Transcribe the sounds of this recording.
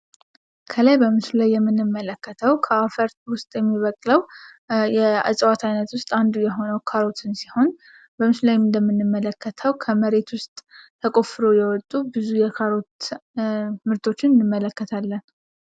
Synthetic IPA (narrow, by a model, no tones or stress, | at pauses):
kʰəlajbəmɨslajːɛmːɨnːɨmːələkʰːət̪ʰəwkʰəafəɾt̪wʊst̪ʼjɛmːiβəkʼləw | jɛɨ̰sʼwat̪ʰajnət̪wʊst̪ʼand̪ujɛɦo̞nəwkʰaɾo̞t̪ʰɨnsiho̞n | bəmɨslajnd̪əmːɨnːɨmːələkʰːət̪ʰəwkʰəməɾe̞t̪wʊst̪ʼt̪ʰːəkʼo̞fɨɾo̞jɛwɔt̪ʼːubɨzujɛkʰaɾo̞t̪ | mɨɾt̪ʰo̞t͡ʃːɪnɨnːɨmːələkːət̪ʰalːən